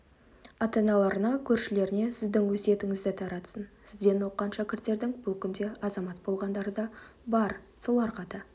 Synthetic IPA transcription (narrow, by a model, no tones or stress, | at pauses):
ɑt̪ɑnɑlˠɑɾənɑkʲʰɵɾʃɪle̞ɾɪne̞sɪzd̪ɪŋwɵse̞t̪ɪŋɪzd̪ɪt̪ʰɑɾɑt̪sənsɪzd̪e̞no̞qːɑnʃækʲɪɾt̪ːe̞ɾd̪ɪŋbʊlˠkʲʰʏnd̪e̞ɑzɑmɑt̪̚bo̞lˠʁɑnd̪ɑɾəd̪ɑ | bɑɾsolˠɑɾqɑd̪ə